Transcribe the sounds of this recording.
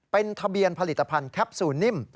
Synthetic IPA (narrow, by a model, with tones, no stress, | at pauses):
pe˧nt̪ʰa˧bi˧ənpʰa˧li˨˩t̪ːa˧pʰa˧nkʰɛ˦˥p̚suː˩˦nːi˥˩m